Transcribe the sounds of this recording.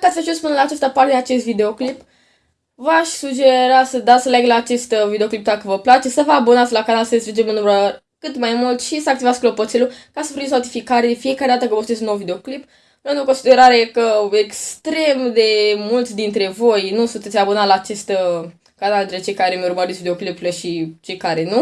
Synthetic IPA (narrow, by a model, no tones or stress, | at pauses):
kat̪sʲaʒuspɨnəlaːt͡ʃast̪əpart̪ed̪eat͡ʃe̞st̪vid̪e̞o̞klip | vaʃʲsud͡ʒe̞ɾasəd̪asəlaɡlaːt͡ʃe̞st̪vid̪eo̞klip̚d̪akəvəplat͡ʃe̞səvəabunat̪sʲlakanalsəest̪ɾid͡ʒemɨnlumɾuə | kɨt̪majmult̪ʃisəak̚t̪ivat̪sʲklo̞po̞t̪selukasəfoisnaut̪ifikaɾed̪efije̞kaɾe̞d̪at̪əkəvəsut̪esʲunowvid̪eo̞klip | ond̪uokonsid̪e̞ɾaɾekəekst̪ɾe̞md̪e̞mult̪d̪int̪ɾe̞vo̞jnusunt̪esʲabunalaːt͡ʃe̞st̪ | kanald̪int̪ɾet͡ʃe̞jkaɾemeuɾuməɾet̪sʲvid̪eo̞klipləʃit͡ʃe̞jkaɾe̞nu